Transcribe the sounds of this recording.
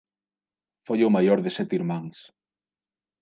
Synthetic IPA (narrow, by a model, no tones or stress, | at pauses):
fojʊmajoɾðɪsɛt̪iɾmãŋs